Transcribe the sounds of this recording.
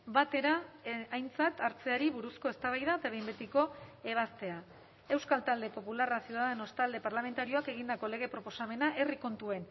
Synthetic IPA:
bat̪e̞ɾaːjnt͡sat̪aɾt͡se̞aɾiβuɾusko̞e̞st̪aβ̞ajðat̪aβe̞jmbet̪iko̞e̞β̞ast̪e̞a | e̞wskalt̪ald̪e̞po̞pularasjuð̞aðe̞no̞st̪ald̪e̞paɾlame̞nt̪aɾio̞ake̞ɣ̞ind̪ako̞le̞ɣ̞e̞pɾo̞po̞same̞naʔe̞riko̞nt̪ue̞n

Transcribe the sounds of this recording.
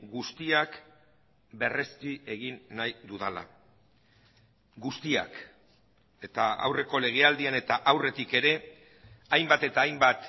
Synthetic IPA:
ɡust̪iak | be̞re̞st̪iʔe̞ɣ̞inːajd̪uðala̰ | ɡust̪ia̰k | e̞t̪aa̰wre̞ko̞le̞ɣ̞e̞ald̪iane̞t̪aʔawre̞t̪ike̞ɾe̞ | ajmbat̪e̞t̪aːjmbat̪

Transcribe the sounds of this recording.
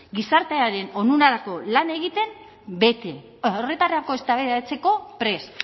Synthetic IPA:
ɡisaɾt̪eaɾe̞no̞nunaɾako̞lane̞ɣ̞it̪e̞m | be̞t̪e | ore̞t̪areako̞e̞st̪aβeat͡se̞ko̞pɾe̞s

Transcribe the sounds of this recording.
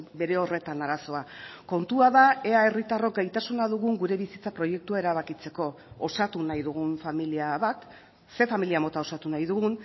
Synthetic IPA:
be̞ɾe̞o̞re̞t̪anaɾaso̞ako̞nt̪uaðae̞ae̞rit̪aro̞k̚ɡajt̪asunaðuɣ̞uŋɡuɾe̞βisit͡sapɾo̞je̞k̚t̪uae̞ɾaβakit͡se̞ko̞osat̪unajðuɣ̞unfamiliaβat̪ | se̞familiamot̪ao̞sat̪unajðuɣun

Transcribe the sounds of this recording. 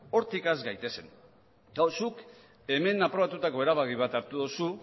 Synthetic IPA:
o̞ɾt̪ikazɡajt̪e̞se̞̰n | d̪awsuk | e̞me̞napɾoat̪ut̪ako̞e̞ɾaβaɣiβ̞at̪aɾt̪uðusu

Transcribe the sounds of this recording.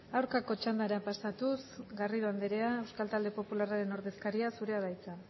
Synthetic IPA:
awɾkako̞t͡ʃand̪aɾapasat̪usɡariðoand̪eɾe̞ae̞wskalt̪ald̪e̞po̞pularaɾe̞no̞ɾðe̞skaɾiasuɾe̞aðajt͡sa

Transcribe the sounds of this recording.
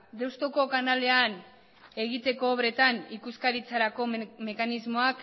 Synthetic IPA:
d̪e̞wst̪oko̞kanale̞an | e̞ɣit̪e̞ko̞ːβɾe̞t̪anikuskaɾit͡saɾako̞me̞kanizmo̞ak

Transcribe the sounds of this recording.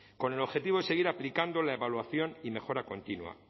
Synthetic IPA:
ko̞ne̞lo̞βxe̞t̪iβoese̞ɣ̞iɾaplikand̪o̞laeβalwaθjo̞nime̞xo̞ɾako̞nt̪inwa̰

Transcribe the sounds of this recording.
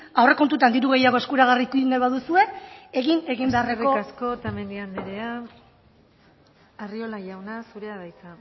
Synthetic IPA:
awre̞ko̞nt̪ut̪and̪iɾuɣ̞e̞jaɣo̞e̞skuɾaɣ̞arikuinajβaðusue̞eɣine̞ɣimbearerkeo̞asko̞t̪aeme̞nd̪ianːeɾe̞a | ario̞laʝawnasuɾeaβajt͡s̪a

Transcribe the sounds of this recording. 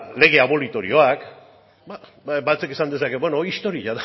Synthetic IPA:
le̞ɣ̞e̞aβo̞lit̪o̞ɾḭo̞ak | ba | bat͡se̞kesand̪e̞sake̞bwenoist̪o̞ɾiaða

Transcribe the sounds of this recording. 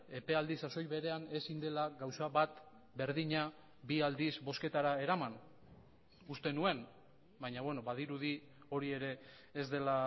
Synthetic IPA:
e̞pe̞ald̪isaso̞jβe̞ɾe̞ane̞sind̪e̞laɡawsaβat̪ | be̞ɾðiɲa | biald̪izbo̞ske̞t̪aɾae̞ɾaman | ust̪e̞nue̞n | bajɲaβweno̞βaðiɾuði | o̞ɾie̞ɾe̞ː | zd̪e̞la

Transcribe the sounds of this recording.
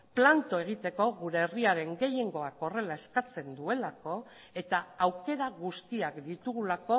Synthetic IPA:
plant̪o̞e̞ɣ̞it̪e̞ko̞ɣuɾe̞ːriaɾe̞ŋɡe̞je̞ŋɡo̞ako̞re̞lae̞skat͡se̞nd̪ue̞lako̞ | e̞t̪aːwke̞ɾaɣust̪iakd̪it̪uɣulako̞

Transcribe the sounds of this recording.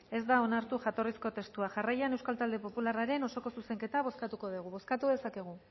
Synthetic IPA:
e̞zd̪ao̞naɾt̪uʝat̪o̞risko̞t̪e̞st̪uaʝarajane̞wskalt̪ald̪e̞po̞pularaɾe̞no̞so̞ko̞suse̞ŋke̞t̪aβ̞o̞skat̪uko̞ðuɣ̞uβo̞skat̪uðe̞sake̞ɣ̞u

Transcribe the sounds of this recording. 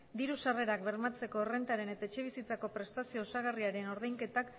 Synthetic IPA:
d̪iɾusare̞ɾak̚be̞ɾmat͡se̞ko̞re̞nt̪aɾe̞ne̞t̪aet͡ʃe̞β̞isit͡sako̞pɾe̞st̪asio̞ːsaɣ̞ariaɾe̞no̞ɾðejŋke̞t̪ak

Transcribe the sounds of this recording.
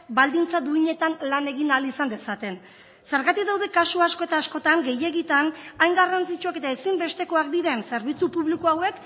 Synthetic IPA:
bald̪int͡sad̪uiɲe̞t̪anlane̞ɣinalisand̪e̞sat̪e̞n | se̞ɾɣat̪ikðawðe̞kasuasko̞et̪aːsko̞t̪aŋɡe̞je̞ɣit̪anajŋɡarant͡sit͡ʃuake̞t̪aesimbe̞st̪e̞ko̞ak̚d̪iɾe̞nse̞ɾβ̞it͡supuβlikoawe̞k

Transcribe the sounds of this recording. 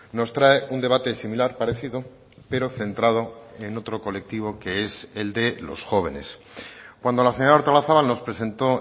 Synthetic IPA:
no̞st̪ɾaeund̪e̞βat̪e̞similaɾpaɾe̞θiðo̞ | pe̞ɾo̞θe̞nt̪ɾað̞o̞eno̞t̪ɾo̞ko̞le̞k̚t̪iβo̞ke̞eseld̪e̞lo̞̰sxo̞β̞e̞̰ne̞̰s | kwand̪o̞laseɲaaoɾt̪alaθaβalno̞spɾe̞se̞nt̪o̞

